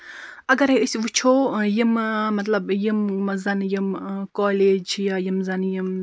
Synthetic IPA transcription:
ɐɡɐɾeɨsʲʋut͡ʃʰoːjimmɐt̪lɐbjimzɐnjimkoːleːd͡ʒjaːjimzɐnjim

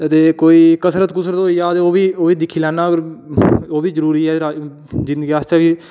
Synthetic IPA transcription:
t̪eːkoːiːkəsɾət̪kʊsɾət̪ɦoːiːaːt̪eːoːʋiːoːʋiːd̪ɪkʰːiːlɛːnːaːəɡəɾoːbiːzəɾuːɾiːɛːɾaː | d͡ʒɪ̃nd̪əɡiːast͡ʃɛːkiː

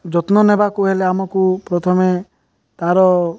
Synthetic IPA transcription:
d͡ʒɔt̪nɔnebakuɦeleamɔkupɾɔt̪ʰɔme | t̪aɾɔ

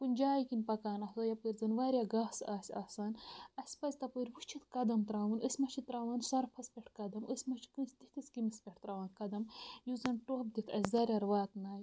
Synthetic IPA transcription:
punʲd͡ʒaːjkinʲpɐkaːnɐsoːjɐpɨɾʲzɐnʋaːɾʲjaɡaːsaːsʲaːsaːnɐsʲpɐzʲt̪ɐpɨɾʲʋut͡ʃʰit̪ʰkɐd̪ɐmt̪ɾaːʋunəsʲmɐt͡ʃʰit̪ɾaːwaːnsɐɾpʰɐspʲeʈʰkɐd̪ɐməsʲmɐt͡ʃʰi̥kɨnsʲt̪it̪ʰisʲkimispʲeʈʰt̪ɾaːʋaːnkɐd̪ɐmjuzɐnʈoːb̚d̪it̪ʰɐsʲzɐːɾʲɐɾʋaːt̪naːj

